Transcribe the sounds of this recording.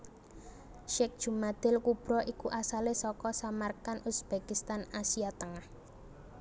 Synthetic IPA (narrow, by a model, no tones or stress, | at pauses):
ʃɛk̚d̥ʒ̥ṳmad̪̥ɪ̤lkub̥ɾɔʔikuʔasalesɔkɔsamarkanusb̥ekist̪anasiat̪əŋah